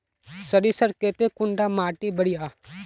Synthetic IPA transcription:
sɐɾisɐɾkeːt̪ekʊɳɖaːmaːʈibɐɽijaː

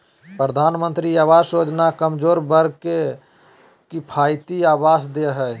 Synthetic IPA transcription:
pɾəd̪ʱaːnmənt̪ɾiabaɾsod͡ʒnakəmd͡ʒoːɾbəɾke | kipʰajt̪iabasd̪eɦɛ

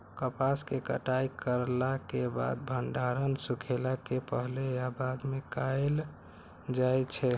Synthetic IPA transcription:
kəpaskekə̰ʈajkəɾlakeba̰d̪̚bʱəɳɖaɾənsukʰelakepəɦlejabad̪mekajl | d͡ʒajt͡ʃʰɛ

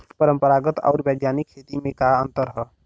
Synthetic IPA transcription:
pəɾəmpəɾaɡət̪ɔ̰ʊɾbeɡjanikʰːet̪imẽkaənt̪əɾɦə

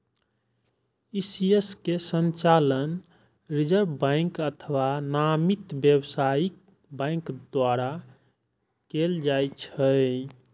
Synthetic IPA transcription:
isieskesənt͡ʃalən | ɾid͡ʒəɾbbãɪŋkət̪ʰəwanamit̪bjəwsaik | bãɪ̃ŋkd̪waɾa | keld͡ʒajt͡ʃʰə

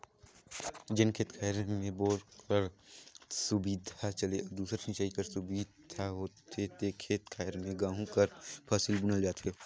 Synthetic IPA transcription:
d͡ʒɪnkʰeːt̪kʰaːɾmẽboːɾkɐɾ | sʊbiːd̪ʱat͡ʃɐleɔd̪uːsɾasʰĩt͡ʃaːikɐɾsʊbiːd̪d̪ʱaɦoːt̪et̪eːkʰeːt̪kʰaːɾmẽɡãːɦũkɐɾpʰaːsɪlbʊnəld͡ʒaːt̪ɦe

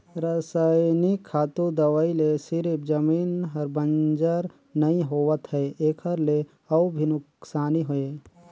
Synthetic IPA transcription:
ɾɐsaːjnikʰːaːt̪ũd̪ɐʋaːilesɪɾɪpd͡ʒɐmiːnɦɐɾbɐ̃nd͡ʒəɾ | nɐĩɦoːʋət̪ɦɛeːkʰəɾle | ɐwbʱinʊksaːniɦoeː

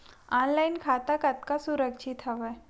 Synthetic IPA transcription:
aːnlaɪnkʰaːt̪akɐt̪̚kasuɾəkʃʰit̪ɦɐʋɛ

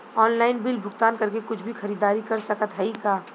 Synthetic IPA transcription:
ɔːnlaːɪnbɪlbʱʊɡt̪aːnkɐɾkekʊt͡ʃʰbʱixɐɾiːd̪aːɾikɐɾsɐkət̪ɦɛikaː

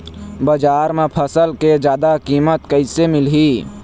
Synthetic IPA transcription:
bəd͡ʒaːɾmẽpʰəsəlked͡ʒjaːd̪akiːmət̪kəɪsemɪlɦi

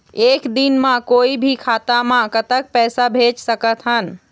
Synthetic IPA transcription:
eːkd̪inmãkoibʱikʰaːt̪amãkət̪ək̚pɛːsabʱet͡ʃsəkət̪ɦən

